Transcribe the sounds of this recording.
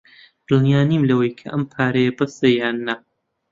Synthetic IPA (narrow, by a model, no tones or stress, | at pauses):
b̥ɨlnijaːniːmlɐwɐjkʰɐʔɐmpʰaːɾɐjɐbɐsejaːnːa